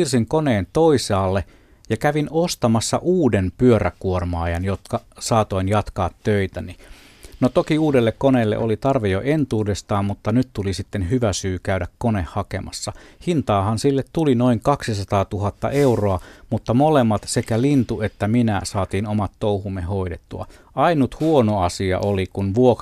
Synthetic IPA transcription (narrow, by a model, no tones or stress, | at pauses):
irsiŋkoneːnt̪oisɑːlːe | jɑkæʋinost̪ɑmɑsːɑ̰ʔuːdenpyøɾækuormɑːjɑnjot̪kɑsɑːt̪oinjɑt̪kɑːt̪tøit̪æni | not̪okiuːdelːekkoneːlːḛʔolit̪ɑrʋejo̰ʔent̪uːdest̪ɑːmmut̪ːɑnyt̪t̪ulisit̪ːenhyʋæsyːkæydækkonehhɑkḛmɑ̰sːɑhint̪ɑːhɑnsilːet̪t̪ulino̞iŋkɑksisɑt̪ɑːt̪uɦɑt̪ːɑ̰ʔe̞uroɑmut̪ːɑmolemːɑt̪sekælint̪uet̪ːæminæsɑːt̪iːnomɑt̪ːouhumːeɦo̞idet̪ːuɑ̰ | ɑinut̪huonoɑsiɑ̰ʔolikunʋuok